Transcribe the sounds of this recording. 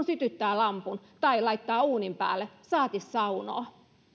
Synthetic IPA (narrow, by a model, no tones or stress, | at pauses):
nsyt̪yt̪ːæːlɑmpun | t̪ɑilɑit̪ːɑːuːnimpæ̰ːlːˑesɑːt̪issɑuno̰ː